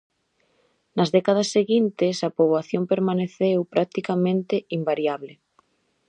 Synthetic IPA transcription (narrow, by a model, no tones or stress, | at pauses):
nɐzðɛkað̞ɐsːeɣint̪ɪsapoβwaθjompeɾmaneθewpɾʔak̚t̪ikamẽnt̪ɪimbaɾjaβlɪ